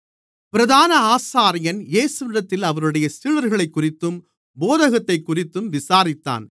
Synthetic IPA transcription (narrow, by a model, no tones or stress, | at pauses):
pɪɾɐðaːnɐaːsaːɾɪjɐnjeːsʋɪɾɐt̪ːɪlɐʋɐɾɯɽɐjɐsiːɻɐɾɣɐɭɐɪkːʊrɪt̪ːɯm | boːðɐɣɐt̪ːɐɪkːʊrɪt̪ːɯmʋɪsaːɾɪt̪ːa̰ːn